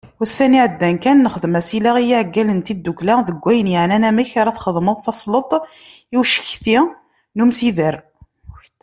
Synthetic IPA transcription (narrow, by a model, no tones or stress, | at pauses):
wəsːæniʕəd̪ːænkænːəχəðəmæsilaʁijiʕəɡːælənt̪id̪ːuklæðəɡʷːæjənjəʕnænæməçɾˤæθχəðˤməðˤθɑsˤlət̪ˤ | iwʃə̥çθi | numsiðəɾ